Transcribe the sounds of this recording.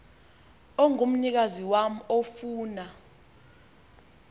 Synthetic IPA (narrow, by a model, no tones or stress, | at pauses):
ɔŋum̩nik̬aziwam̩ofuːna